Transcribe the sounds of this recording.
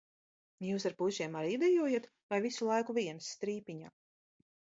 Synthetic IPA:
juːs̬aɾpuʒiɛmaɾid̪ɛjuɔjat̪ | vajvisulˠajkuvʲiɛnsːt̪ɾiːpʲiɲaː

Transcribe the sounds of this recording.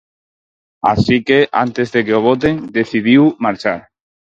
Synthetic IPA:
a̰sikeʔa̰nt̪ezðekeoβ̞ot̪̬eŋd̪eθið̞iwmaɾt͡ʃaɾ

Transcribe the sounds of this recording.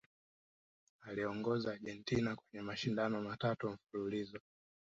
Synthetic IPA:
aliɔŋɡɔzaːʄɛntinakwɛɲɛmaʃindanɔmatatuɱ̩fululizɔ

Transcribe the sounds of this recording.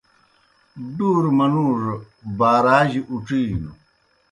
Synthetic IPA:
ɖuːɾmɐnuːʐ | baːɾaːʑiʔuʈ͡ʂiːnṵ

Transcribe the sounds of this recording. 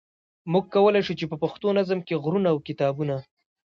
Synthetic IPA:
muɡ̚kawəlajʃut͡ʃepəpaxt̪onazəmkeɣɾunaːwkɪt̪ɑbuna

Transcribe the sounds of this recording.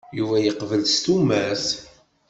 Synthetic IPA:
juvæjəqvəlst̪umæs

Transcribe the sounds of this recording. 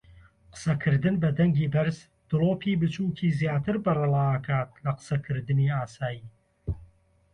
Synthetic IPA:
qə̥sɐkʰɨɾd̪ɨnbɐd̪ɐŋɡiːbɐɾz | d̪̥ɨloːpʰiːbɨt͡ʃuːkʰiːzjaːt̪ɨɾbɐrɨlˠaːɐkʰaːt̪̚lɐqə̥sɐkʰɨɾd̪ɨniːaːsaːjiː

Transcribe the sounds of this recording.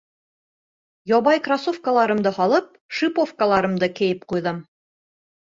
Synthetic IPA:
jɒβɑjkrasofkəlˠɑɾɤ̆md̪ɤhɑlˠɤp̚ʃipofkəlˠɑɾɤ̆md̪ɤkɘ̆jɘp̚qujðɤm

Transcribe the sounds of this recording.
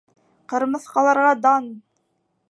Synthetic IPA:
qɤ̆ɾmɤ̆θqɑlˠɑɾʁɑd̪ɑn

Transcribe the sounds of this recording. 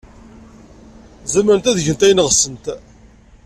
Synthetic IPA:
zæməɾənt̪æðəʝənt̪æjnəʁsənt̪

